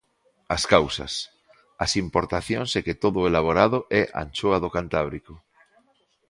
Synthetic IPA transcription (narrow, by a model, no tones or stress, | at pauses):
askawsɐ̰s | ɐsimpoɾt̪aθjõŋseket̪oðʊelaβ̞oɾaðʊʔɛʔa̰nt͡ʃoaðokant̪aβ̞ɾikʊ